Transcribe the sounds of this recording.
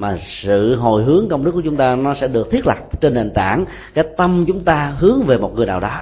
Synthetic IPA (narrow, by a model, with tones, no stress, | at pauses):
maː˨˩sɨ̰˧˨ɦo˨˩jɦɨ˨˦əŋkə˧wŋ͡mɗɨ˦˥kːt͡ɕʊ˦ŋ͡mt̪aː˧nɔ˨˦sɛ̰˧˥ɗɨ˨˩ək̚t̪ʰi˦˥t̚lə˨˩p̚t͡ɕe˧nɗe˨˩nt̪a̰ː˧˩n | kaː˨˦jt̪ə˧mt͡ɕʊ˨˦ŋ͡mt̪aː˧ɦɨ˨˦əŋve˨˩mo˨˩t̚ŋɨ˨˩əjnaː˨˩ɗɔ˨˦